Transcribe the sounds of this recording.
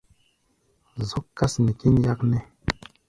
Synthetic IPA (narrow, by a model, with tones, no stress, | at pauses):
zo˦kːa˦sni˨ki˦n˦ja˦knɛ˦